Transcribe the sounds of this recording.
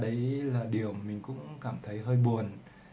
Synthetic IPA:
ɗə˨˦jlaː˨˩ɗi˨˩əwmï˨˩ŋ̟kʊ̰˧˥ŋ͡mkaː˧˩mt̪ʰə˨˦jɦəː˧jɓu˨˩ən

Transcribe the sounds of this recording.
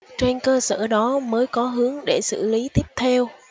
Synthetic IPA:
t͡ɕwe˧nkəː˧sə̰ː˧˩ɗɔ˨˦məː˨˦jkɔ˨˦ɦɨ˨˦əŋɗe˧˩sɨ̰˧˩li˨˦t̪i˦˥əp̚t̪ʰɛ˧w

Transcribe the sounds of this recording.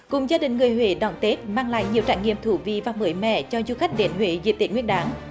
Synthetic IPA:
kʊ˨˩ŋ͡mzaː˧ɗï˨˩ŋ̟ŋɨ˨˩əjɦwe˨˦ɗɔ̰˧˨˩nt̪e˦˥t̚maː˧ŋla̰ː˧˨jɲi˨˩əwt͡ɕaː˧˩jŋḭ˧˨əmt̪ʰu˧˨˦vḭ˧˨vaː˨˩mɨ˨˦jmɛ̰˧˨t͡ɕɔ˧zu˧xa˦˥jk̟̚ɗe˨˦nɦwḛ˧˨˦zḭ˨˩t̪i˨˩ŋwi˦˥ənɗaː˨˦ŋ

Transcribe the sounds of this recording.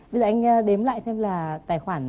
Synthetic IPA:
ɓə˧zɔ̰˧˩˨ʔŋ̟ː˧ɗe˨˦mla̰ː˧˨jsɛ˧mlaː˨˩t̪aː˨˩jxwaː˧˩n

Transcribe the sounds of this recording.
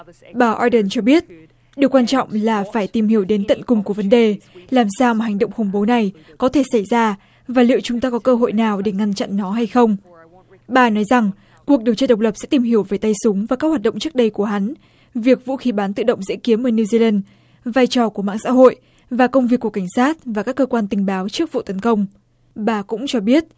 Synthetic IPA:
ɓaː˧˩ʔɔ˧jɗə˨˩nt͡ɕɔ˧ɓi˦˥ət̚ | ɗɨ˨˩əkːwaː˧nt͡ɕɔ̰˧˨wŋ͡mlaː˨˩faː˧˩jt̪i˨˩mhi˧˩əwɗe˨˦nt̪ə̰˧˨nkʊ˨˩ŋ͡mku˧˩əvə˨˦nɗe˨˩laː˨˩msaː˧wmaː˨˩ɦa˨˩jŋ̟ɗə̰˧˨wŋ͡mxə˧˩ŋ͡mɓo˨˦na˨˩j | kɔ˨˦t̪ʰe˧˩sa˧˩jzaː˧ | vaː˨˩lḭ˧˨əwt͡ɕʊ˨˦ŋ͡mt̪aː˧kɔ˨˦kəː˧ɦo̰˧˨jnaː˨˩wɗe˧˩ŋa˧nt͡ɕa̰˧˨nːɔ˨˦ɦa˧jxə˧wŋ͡m | ɓaː˧nɔ˨˦jza˨˩ŋ | ku˨˩ək̚ɗi˨˩əwt͡ɕaː˧ɗə˨˩wk͡p̚lə˨˩psɛ̰˧˥t̪i˨˩mhi˧˩əwveː˧˩jt̪a˧jsʊ˨˦ŋ͡mvaː˨˩kaː˦˥k̚hwaː˨˩t̚ɗə̰˧˨ŋ͡mt͡ɕɨ˦˥ək̚ɗə˧jku˧˩əɦa˨˦n | vi˨˩ək̚vṵ˧˥xi˨˦ɓaː˨˦nt̪ɨ̰˧˨ɗə̰˧˨wŋ͡mzḭ˧˥ki˨˦əmʔəː˧˩ni˧zi˧laː˧n | vaː˧jt͡ɕɔ˨˩ku˧˩əma̰ː˧˨ŋsa̰ː˧˥ɦo̰˧˨j | vaː˨˩kə˧wŋ͡mvi˨˩əkːu˧˩əka˧˩ŋ̟saː˦˥t̚vaː˨˩kaː˦˥kːəː˧kwaː˧nt̪ï˨˩ŋ̟ɓaː˨˦wt͡ɕɨ˦˥ək̚vṵ˧˨t̪ə˨˦nkə˧wŋ͡m | ɓaː˧˩kʊ̰˧˥ŋ͡mt͡ɕɔ˧ɓi˦˥ət̚

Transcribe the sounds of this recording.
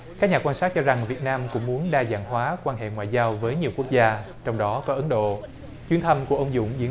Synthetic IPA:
kaː˦˥k̚ɲaː˨˩kwaː˧nsaː˦˥t͡ɕɔ˧za˨˩ŋvi˨˩ət̚naː˧mkʊ̰˧˥ŋ͡mmu˨˦ənɗaː˧za̰ː˧˩ŋɦwaː˨˦kwaː˧nɦḛ˧˨ŋwa̰ː˧˨jzaː˧wvəː˨˦jɲi˨˩əwku˦˥ək̚zaː˧ | t͡ɕɔ˧wŋ͡mɗɔ˨˦kɔ˨˦ʔə˨˦nɗo̰˧˨ | t͡ɕwi˧ənt̪ʰə˧mku˧˩əʔə˧wŋ͡mzʊ̰˧˥ŋ͡mzi˨˦

